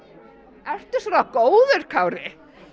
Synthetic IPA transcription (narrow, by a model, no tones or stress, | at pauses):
ɛr̥t̪ʏsɔɾakoːwðʏɾ̥kʰaːwɾɪ